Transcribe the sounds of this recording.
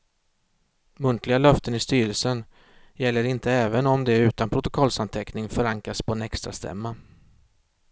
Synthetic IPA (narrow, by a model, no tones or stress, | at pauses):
mɵnt̪ʰlɪɡalœft̪ənɪst̪yːɾəlsən | jɛlːəɾɪnt̪əɛːvənɔmd̪ɛʉ̟ːt̪anpʰɾʊt̪ʊkʰɔlsant̪ʰɛknɪŋfœɾaŋkɾaspʰɔɛnɛkst̪ɾa̰st̪ʰɛ̰mːa